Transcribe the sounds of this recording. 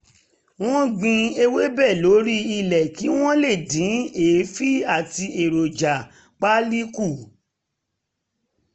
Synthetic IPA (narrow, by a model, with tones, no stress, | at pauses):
w̃ɔ̃˦ɡ͡bĩ˧e˧we˦bɛ˦˨lo˨˦ɾi˦i˧lɛ˨ki˨˦w̃ɔ̃˦le˦˨dĩ˨˦eː˨˦fi˦a˦˨ti˧e˨ɾo˨d͡ʒa˨ | k͡pa˦li˦ku˦˨